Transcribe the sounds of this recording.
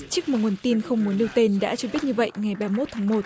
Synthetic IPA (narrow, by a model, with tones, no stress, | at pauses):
t͡ɕɨ˦˥k̚mo˨˩ŋu˨˩ənt̪i˧nxə˧wŋ͡mmu˨˦ənɗi˧wt̪e˧nɗa̰ː˧˥t͡ɕɔ˧ɓi˦˥ət̚ɲɨ˧və̰˧˨jŋa˨˩jɓaː˧mo˦˥t̚t̪ʰaː˨˦ŋmo˨˩t̚